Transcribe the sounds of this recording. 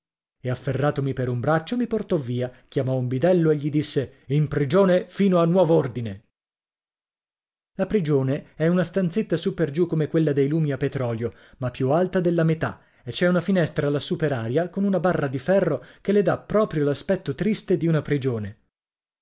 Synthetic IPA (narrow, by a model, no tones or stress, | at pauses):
eafːerːaːt̪omipeɾumbɾat͡ʃːomiport̪ɔvːiːak̟jamɔumbid̪ɛlːoeʎːid̪isːeimpɾid͡ʒoːnefiːnoanːwɔːvoord̪ine | lapɾid͡ʒoːneɛunast̪ant̪set̪ːasupːerd͡ʒukːomekwelːad̪ejluːmiapːet̪ɾɔːljo | mapːjualt̪ad̪elːamet̪a̰ | et͡ʃːɛunafinɛst̪ɾaːlːasupeɾaːɾjakonunabarːad̪ifɛrːok̟elːed̪apːɾɔːpɾjolaspɛt̪ːot̪ɾist̪ed̪iunapɾid͡ʒoːne